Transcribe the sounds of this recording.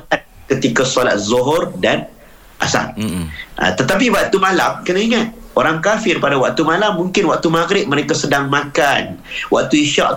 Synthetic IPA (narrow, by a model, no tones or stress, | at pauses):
a | kət̪ikasɔla̰t̪̚zoɦɔrdan | ʔa̰sa̰mʔa̰t̪ət̪ap̬iwak̚t̪umalamkənaiŋat̪̚oɾaŋkafɪrpadawaʔ̚t̪umalamːũŋkɪnwaʔ̚t̪umaɡɾɪp̚məɾekasədaŋmãkanwaʔ̚t̪uiʃa̰ʔ